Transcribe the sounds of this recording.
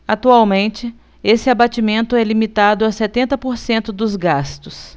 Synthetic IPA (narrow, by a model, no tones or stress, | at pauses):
at̪uawmẽnt͡ʃɪ | esɪabat͡ʃimẽnt̪ʊɛlimit̪ad̪ʊasɛt̪ẽnt̪ɐpoɾsẽnt̪ʊd̪ʊzɡast̪ʊs